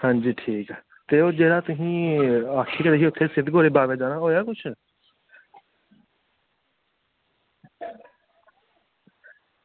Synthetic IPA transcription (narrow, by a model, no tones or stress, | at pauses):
hãnd͡ʒiːʈʰiːk | t̪eːoːd͡ʒeːɽaːt̪ʊɦĩːaːkʰːeːkəɾeːɦiːʊt̪ʰːeːsɪd̪ɡoːɾeːbaːʋeːd͡ʒaːnaːɦoːjaːkʊt͡ʃʰ